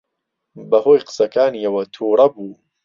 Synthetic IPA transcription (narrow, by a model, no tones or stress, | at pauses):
bɐhoːjqɨ̥sɐkaːniɐwɐt̪ʰuːɾˤɐbuː